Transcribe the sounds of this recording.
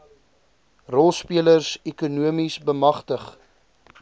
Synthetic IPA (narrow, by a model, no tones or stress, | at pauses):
rɔlˠspiələrsɛkunuəmisbəmɐχtəχ